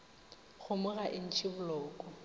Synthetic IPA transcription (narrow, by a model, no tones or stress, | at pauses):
ɣʊmʊɣaʔɪn̩t͡ʃʰɪbʊlɔːkʼɔ